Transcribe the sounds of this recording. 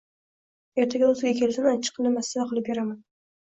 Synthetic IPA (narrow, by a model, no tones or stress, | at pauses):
e̞ɾt̪ʰaɡʲaɵzɪɡʲakʲʰe̞lsanat͡ʃʰːɪ̥qʰːɨlnɪmasavaqʰɨlˠɪp̚beɾaman